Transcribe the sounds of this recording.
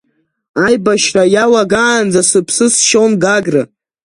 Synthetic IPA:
ajbaʃrajawaɡaːnd͡zasɨpʰsɨsʃonɡaɡrɨ

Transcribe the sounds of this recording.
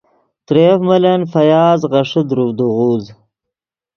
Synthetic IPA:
t̪ɾefmɐlɐnfɐjaːzʁɐʂɨd̪ɾuvd̪uʁuːz

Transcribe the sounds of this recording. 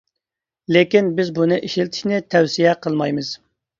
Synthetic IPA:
lekʲinbɪzbunɨʔiʃilt̪ʰɪ̥ʃnɪt̪ʰɛwsijɛqʰəlˠmɑjmɨz̥

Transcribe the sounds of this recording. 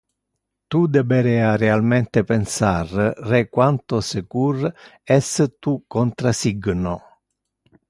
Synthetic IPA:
t̪ud̪ɛbeɾɛarealmɛnt̪epensarrekwant̪osekurɛst̪ukːont̪ɾasiɡno

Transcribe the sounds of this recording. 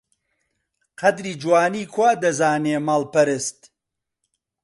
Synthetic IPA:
qʰɐd̪ɾiːd͡ʒwaːniːkʰwaːd̪ɐzaːneːmaːlpɐɾɨst̪

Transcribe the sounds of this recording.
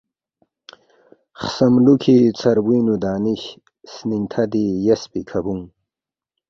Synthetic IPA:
χsɐmlukʰit͡sʰɐɾwiːnud̪aːniɕ | sniŋt̪ʰad̪ijespikʰabuŋ

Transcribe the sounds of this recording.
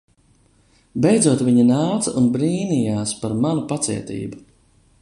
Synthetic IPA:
bɛjd̪zuɔt̪viɲinaːt̪sɐʔunbɾiːnijaːspaɾmanupat̪sḭɛt̪ḭːbu

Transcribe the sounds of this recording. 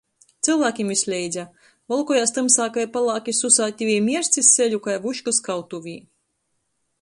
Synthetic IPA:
t̪silˠvæːkʲimislʲɛjd̪zʲa | vɔlˠkɔjaːst̪ɨmsaːkajpalˠɑːkʲisusaːt̪ʲːivʲiːmʲiɛɾst̪siselʲukajvuʃkuskawt̪uvʲiː

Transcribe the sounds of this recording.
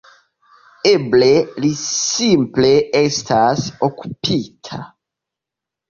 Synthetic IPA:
eblelisimpleestʰasoku̥pʰitʰa̰

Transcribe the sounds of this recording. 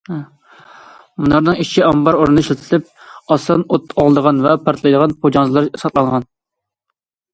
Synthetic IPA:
munɑɾnɨŋit͡ʃʰiɑmbɑɾoɾnɨʃlt̪ʰlɪp̚ɑsɑnot̪ʰːɑlˠd̪əʁɑnvɛpʰɑɾt̪ʰlˠɑjd̪əʁɑnpʰod͡ʒɑnzɨlˠɑɾsɑt̪lˠɑŋʁɑn

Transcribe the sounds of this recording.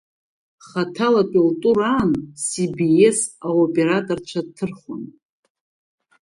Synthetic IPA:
χatʰalakʼultʼuɾaːnsibiesaopʼe̞ɾatʼort͡ʃʷʰatʰɨrχon

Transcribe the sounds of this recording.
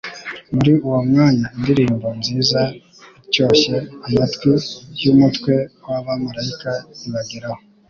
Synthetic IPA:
muɾiuwomŋaːɲaindiɾiːmbo̞mziːza | co̞ːɕeamatwijumutkwe̞waβamaɾajikaiβaɡiɾaho

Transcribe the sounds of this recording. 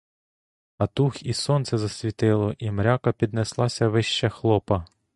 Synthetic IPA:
ɐt̪uxisɔnt̪sɛzɐsʲʋʲit̪ɪlˠɔʔimɾʲakɐpʲid̪neslˠɑsʲɐʋɪʃt͡ʃɐxlˠɔpɐ

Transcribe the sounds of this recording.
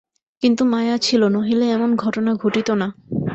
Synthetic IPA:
kint̪umajat͡ɕʰilonoɦileɛmonɡʱɔʈonaɡʱoʈit̪ona

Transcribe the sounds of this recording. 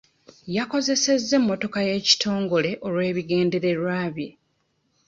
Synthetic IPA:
jako̞ze̞se̞zːe̞mːo̞to̞kaje̞ːci̥tʰo̞ːŋɡo̞le̞ʔo̞lwe̞ːβiɡe̞ːnde̞ɾe̞ɾwaːβje

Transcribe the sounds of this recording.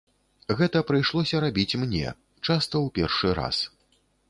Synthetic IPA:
ɣɛt̪ɐpɾɨjʂlˠɔsʲɐɾabʲit͡sʲmnʲɛ̰ | t͡ʂast̪ɐwpʲɛrʂɨɾa̰s

